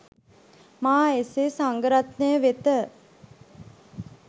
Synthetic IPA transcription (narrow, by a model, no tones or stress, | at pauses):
maːesesaŋɡəɾat̪nəjəʋet̪ə